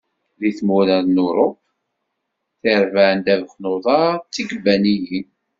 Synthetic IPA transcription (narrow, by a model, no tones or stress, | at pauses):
ðiθmuɾæðnʊɾˤop | θiɾvaʕənd̪ævəθnoðˤɑɾt͡sːiɡəbːæniji